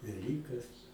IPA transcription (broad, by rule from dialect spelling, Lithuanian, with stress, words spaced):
ʋʲɛˈlʲiːkɐs